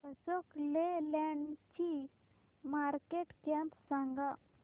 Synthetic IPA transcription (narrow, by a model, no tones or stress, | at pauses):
bəsoklelɛɳɖt͡ɕi | maɾkeʈkɛ̃mpsãŋɡa